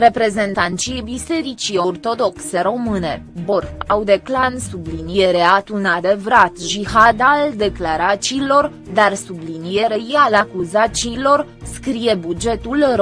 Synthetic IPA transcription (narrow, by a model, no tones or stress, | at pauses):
ɾe̞pɾe̞ze̞nt̪ant̪t͡ʃibise̞ɾit͡ʃio̞rt̪o̞d̪o̞kse̞ɾo̞mɨne̞boɾawd̪e̞klansublinije̞ɾeat̪unad̪e̞vɾat̪ʒihad̪ald̪e̞klaɾat͡ʃilo̞r | d̪arsublinije̞ɾe̞jalakuzat͡ʃiːlo̞rskɾije̞bud͡ʒe̞t̪ulr